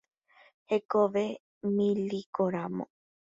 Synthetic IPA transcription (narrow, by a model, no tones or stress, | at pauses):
hekoʋe | mĩlikoɾamõ̰